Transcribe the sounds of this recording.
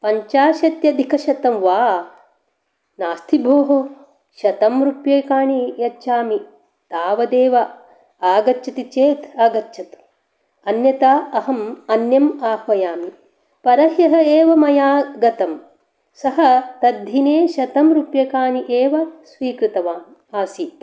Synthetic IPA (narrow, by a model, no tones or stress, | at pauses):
pɐɲt͡ʃaːʃɐt̪jɐd̪ʱikɐʃɐt̪ɐmʋaː | naːst̪ʰibʱoːɦo | ʃɐt̪ɐmɾupjeːkaːɳijɐːʃʰaːmi | t̪aːʋɐd̪eːʋɐ | aːɡɐtːt͡ʃʰɐt̪it͡ʃeːt̪aːɡɐtːʃʰɐt̪ | ɐnjɐt̪aːɐɦɐmɐnjɐmaːhʋɐjaːmi | pɐɾɐɦjɐɦɐeːʋɐmɐjaːɡɐt̪ɐm | sɐɦɐt̪ɐd̪ʱineːʃɐt̪ɐmɾupjɐkaːɳiʔeːʋɐsʋiːkɾɨt̪ɐʋaːn | aːsi